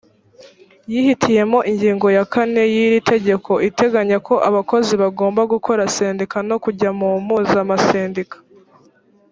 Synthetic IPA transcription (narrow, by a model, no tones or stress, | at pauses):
jihitʰije̞mo̞ʔiɲɟiːŋɡo̞jakane̞jiɾitʰe̞ɟe̞ko̞ʔite̞ɡaɲakʰo̞ʔaβako̞ziβaɡoːmbaɡukʰo̞ɾase̞ːndikano̞kuɟamumuːzamaseːndikḁ